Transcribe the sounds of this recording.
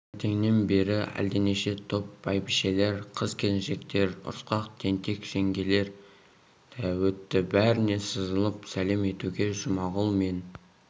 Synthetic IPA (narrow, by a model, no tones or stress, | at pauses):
t̪ʰe̞ŋne̞nbe̞ɾɪæ̰ld̪ene̞ʃe̞t̪ʰop̚b̥ɑjbɪʃe̞le̞ɾqʰəzkʲʰe̞lɪnʃe̞k̚t̪e̞ɾʊ̰ɾsqɑqt̪ʰe̞nt̪e̞kʒ̥e̞ŋɡʲe̞le̞ɾ | d̪̥æwɵt̪ːɪbæɾɪne̞səzəlˠəpsæle̞me̞t̪uɡʲe̞ʒʊmɑʁəlˠme̞n